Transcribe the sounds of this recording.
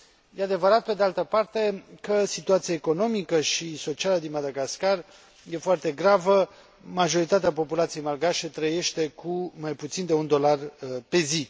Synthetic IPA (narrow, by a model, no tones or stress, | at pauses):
jead̪e̞vəɾat̪̚pe̞d̪ealt̪əpart̪e̞kəsit̪uat̪siaeko̞no̞mikəʃiso̞t͡ʃialəd̪inmad̪aɡaskar | je̞foart̪e̞ɡɾavə | maʒo̞ɾit̪at̪eapo̞pulat̪sijejmalɡaʃe̞t̪ɾəje̞ʃt̪e̞kʰumajput̪sind̪e̞und̪o̞larpe̞zi